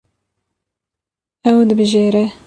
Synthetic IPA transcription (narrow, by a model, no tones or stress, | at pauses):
ɛwd̪ɨbɨʒeːɾɛ